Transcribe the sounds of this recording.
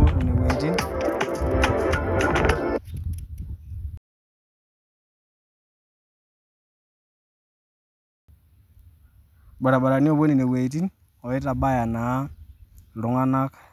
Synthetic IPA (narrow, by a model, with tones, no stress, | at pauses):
o˦˨ni˨ne˨we˨ti˦n | ɓa˨ɾa˨ɓa˨ɾa˨ni˦o˦˨bo˦ni˨ne˨we˨t̬i˦n | o˨ji˦ta˨ɓa˦ja˨na˨˦ | lu˨ŋa˦na˦k